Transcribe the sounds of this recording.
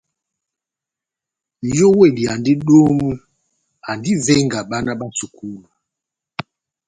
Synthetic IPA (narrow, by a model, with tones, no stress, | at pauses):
jɔ˦we˦˨li˨a˨ndi˦ɗo˦mu˦ | a˨ndi˦vɛ˦ŋɡa˨ɓa˦na˦ɓa˦nsu˨kʰu˦lu˨a˨